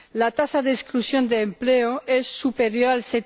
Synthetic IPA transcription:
lat̪asaðesklusjond̪eːmpleoesːupeɾjoɾalse

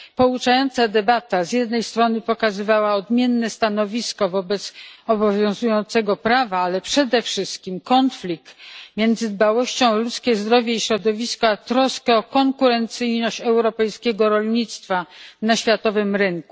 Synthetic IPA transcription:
pɔut͡ʂajɔnt̪sad̪ɛbat̪azʲjɛd̪nɛjst̪ɾɔnɘpɔkazɘvawaɔd̪mʲjɛnːɛst̪anɔvʲiskɔvɔbɛt̪sɔbɔvʲjɔ̃w̃zujɔnt̪sɛɡɔpɾavaalɛpʂɛd̪ɛfʂɘst̪kʲimkɔnflʲik̚t̪mʲjɛnd̪zɘd̪bawɔɕt͡ɕɔ̃w̃lut̪skʲɛzd̪ɾɔvʲjɛiɕɾɔd̪ɔvʲiskɔat̪ɾɔskɛɔkɔŋkuɾɛnt̪sɘjnɔɕt͡ɕɛwɾɔpɛjskʲɛɡɔɾɔlɲit̪st̪fanaɕfʲjat̪ɔvɘmɾɘŋku̥

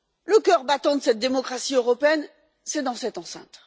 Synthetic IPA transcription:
ləkʲœʁbat̪ɑ̃d̪əsɛt̪̚d̪emɔkχasiøʁɔpeɛn | sɛd̪ɑ̃sɛt̪ɑ̃sɛ̰̃t̪

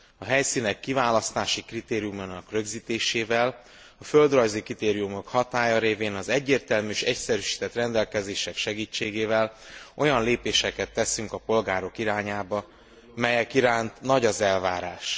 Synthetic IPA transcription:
ɒɦɛjsiːnɛkːivaːlɒst̪aːʃikrit̪eːɾijumonɒkrø̞ɡziːt̪eːʃeːvɛl | ɒføld̪rɒjzikɾit̪eːɾijumo̞khɒt̪aːjɒɾeːveːnɒzɛɟːeːrt̪ɛlmyʃɛcsɛɾyʃi̥ːt̪ɛt̪rɛnd̪ɛlkɛzeːʃɛkʃɛɡiːt͡ʃːeːɡeːvɛlʔo̞jɒnleːpeːʃɛkɛt̪ːɛsyŋkɒpo̞lɡaːɾo̞kiɾaːɲaːbɒ | mɛjɛkiɾaːnt̪nɒɟɒzɛlvaːɾaːʃ

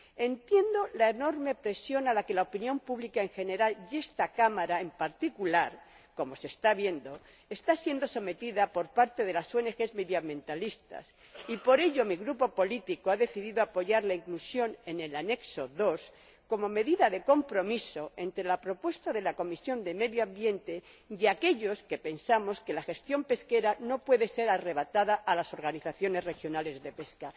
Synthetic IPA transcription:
e̞nt̪je̞nd̪o̞lae̞no̞ɾme̞pɾe̞sjo̞nalake̞laopinjo̞mpuβlikae̞ŋxe̞ne̞ɾalde̞st̪akamaɾaempaɾt̪ikulaɾ | ko̞mo̞se̞st̪aβje̞nd̪o̞ | est̪asje̞nd̪o̞so̞me̞t̪iðapo̞ɾpaɾt̪e̞ðe̞lasoene̞xe̞zme̞ðjambjẽ̞nt̪alist̪a̰s | ipo̞ɾe̞ʎo̞miɣɾupo̞po̞lit̪ikoaðe̞θiðiðoapo̞ʝaɾlaiŋklusjo̞ne̞ne̞lane̞kso̞ðo̞s | ko̞mo̞me̞ðiðaðe̞ko̞mpɾo̞miso̞e̞nt̪ɾe̞lapɾo̞pwe̞st̪aðe̞lako̞misjo̞nd̪e̞me̞ðjoãmbje̞nt̪e̞ | jake̞ʎo̞ske̞pe̞nsamo̞ske̞laxe̞st̪jo̞mpe̞ske̞ɾano̞pwe̞ðe̞se̞ɾare̞β̞at̪aðaʔalaso̞ɾɣaniθaθjo̞ne̞zre̞xjo̞nale̞zðe̞pe̞ska

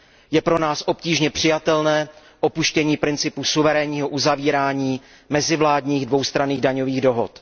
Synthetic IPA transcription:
jɛpɾo̞naːsʔo̞pciːʒɲɛpr̝̥ɪjat̪ɛlnɛː | ʔo̞puʃcɛɲiːpɾɪnt͡sɪpusuvɛɾɛːɲiːɦo̞ʔuzaviːɾaːɲiː | mɛzɪvlaːdɲiːɣdvo̞wst̪ɾaniːɣdaɲo̞viːɣdo̞ɦo̰t̪

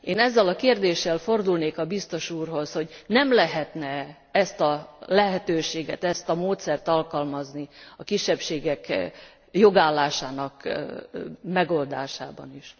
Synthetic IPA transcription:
eːnɛzːɛlɒkeːrd̪eːʃːɛlfo̞rd̪ulneːkɒbist̪o̞ʃuːrɦo̞sho̞ɟnɛmlɛɦɛt̪nɛ | ɛst̪ɒlɛɦɛt̪øːʃeːɡɛt̪ɛst̪ɒmoːt̪sɛrt̪ɒlkɒlmɒzniɒkiʃːɛpʃeːɡɛk | joɡaːlːaːʃaːnɒk | mɛɡo̞ld̪aːʃaːbɒ̰niʃ

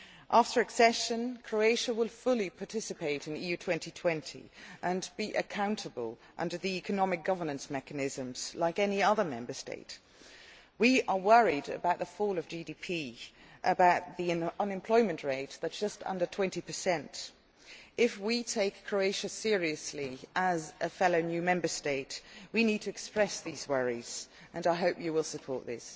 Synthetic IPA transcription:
ʔæftə˞ɨksɛʃɨ̃nkʰɹ̥oʊeɪʃɨwɪlˠfʊlˠipʰɑtʰɪsɨpeɪɾɨ̃nijʉtʰw̥ɛ̃ntitʰw̥ɛ̃ntʰḭʔɨ̃nbiʔɨ̰kʰãʊ̃ntʰəbə̰lˠ | ʔʌ̰̃ndə˞ðiikɨnɑmɨk̚ɡ̥ʌvə˞nɨ̃nsmɛkɨnɪzɨ̃mz̥laɪkɛniʌðə˞mɛ̃mbə˞stḛɪt | wiə˞wɜ˞iɾɨ̰baʊt̪̚ðəfɔlˠʌvd͡ʒidipʰi | ʔɨbaʊt̪̚ðiɨ̃ʌ̃nɨ̃mpʰl̥ɔɪmɨ̃nʔɹeɪt̪̚ðɨt̚sd̥ʒ̥ʌstʌ̰̃ndə˞tʰw̥ɛ̃ntipʰəsɛ̃nt | ʔɪfwitʰeɪkʰɹ̥oʊeɪʃɨsɪɹiɨsliʔəzɨfɛloʊnjʉmɛ̃mbə˞steɪtwinid̚tʰɨɨkspɹɛsðizwɜɹiz̥ | ʔɨ̃naɪɦoʊpjɨwɪlˠsəpʰɔɹʔ̪̚ðɪ̰s

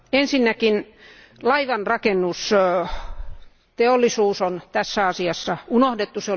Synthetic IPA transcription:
ensinːækin | lɑiʋɑnrɑkenːus | t̪eolːˑisuːsont̪æsːæɑsiɑsːɑunohdet̪ːuseo

